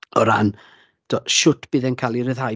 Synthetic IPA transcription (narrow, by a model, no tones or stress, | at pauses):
ɔɾan | d̥ɔʃʊtʰb̥iːðɛnkʰalˠiɾəðhaj